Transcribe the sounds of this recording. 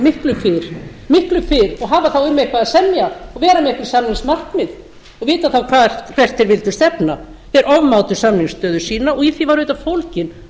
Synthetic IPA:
mɪhklʏfɪɾ̥ | mɪhklʏfɪɾɔɣɦaːvaθawʏmːehkvaðsɛmjaɔɣvɛːɾamɪhkvɪɾ̥samnɪŋsmar̥kmɪð | ɔɣvɪːt̪aθawkʰvḁːkʰvɛr̥t̪θeɾvɪlt̪ʏ̥st̪ɛpna | θɛɾʔɔvmawt̪ʏɾ̥samnɪŋst̪œːðʏsiːnaɔɣiθivaɾʏːt̪ḁfowlcɪn

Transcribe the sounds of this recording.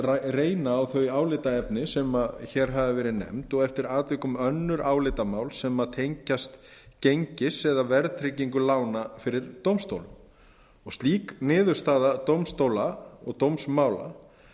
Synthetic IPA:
rareːjnaːwθœɥjaːwlɪt̪aɛpnɪsɛmaçɛɾ̥ɦaðɪvɛːɾɪnɛ̰mt̪ɔɣɛft̪ɪɾaːt̪vɪːkʏmœnːʏɾaːwlɪt̪amaːwlsɛmaðt̪ʰejɲcast̪cejɲcɪsɛðavɛɾðt̪ʰɾeciŋkʏlaːwnafɪɾɪɾt̪owmst̪o̰wlʏm | ɔɣst̪liːknɪːðʏɾ̥st̪aːðat̪owmst̪owlaɔ̰ɣt̪owmsmaːwla̰

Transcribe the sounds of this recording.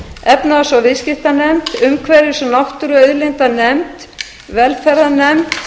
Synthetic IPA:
ɛpnaasɔvɪscɪht̪anɛmt̪ʏmkʰvɛːɾɪsɔnawht̪ʏɾʏœðlent̪anɛmt̪ | vɛlfɛɾðanɛmt̪

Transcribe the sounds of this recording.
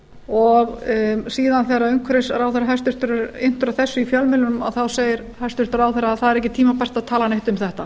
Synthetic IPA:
ɔɣsiːðanθeraʏŋkʰvɾɪsɾawθɛraɦɛst̪ʏɾ̥t̪ʏɾɪɾen̥t̪ʏɾaθɛsːʏifjœlmɪlʏnʏma̰ðθawseːjɪɾ | hɛ̥st̪ʏɾ̥t̪ʏɾawθɛɾːaaθaðɛɾɛhcɪt̪ʰiːmapɛr̥t̪aðt̪ʰaːlaneht̪ʏmθɛht̪a

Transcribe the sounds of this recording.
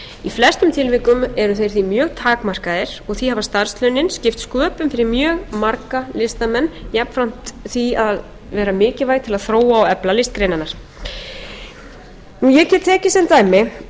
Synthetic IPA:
iflɛr̥st̪ʏmt̪ʰɪlvɪkʏmɛɾʏθejɾ̥θimjœːɣt̪ʰaːkmar̥kaðɪɾ̥ɔɣθihavast̪aɾ̥slœɥnɪnscɪft̪skœːpʏmfɪɾɪɾmjœːɣmaɾkalɪst̪amɛnːjɛpn̥fɾam̥t̪θviaðð | vɛːɾamɪːcɪvaːjɣt̪ʰɪlaðθɾoːwaːwɛplalɪst̪̚kɾejnanaɾ̥ | nujɛɣcɛːt̪t̪ʰɛːcɪsɛmt̪aːjmɪ

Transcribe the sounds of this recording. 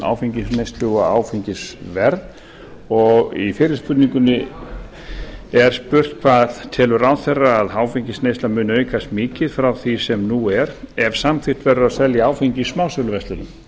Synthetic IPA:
a̰ːwfiɲcɪsnest̪lʏɣaa̰ːwfiɲcɪsvɛɾð | ɔɣifɪːɾɪɾ̥spʏt̪niŋkʏnɪ | ɛɾ̥spʏr̥t̪̚kʰvaðt̪ʰɛːlʏɾaːwθɛrːaːðɦaːwfiɲcɪsnejst̪amʏːnœːɥjkʰast̪mɪːcɪðfɾawθisɛmnuɛɾɛv̥samfɪr̥t̪vɛɾʏɾaðsɛljaaːwfiɲcɪismaːwsœlʏvɛst̪ʏnʏm

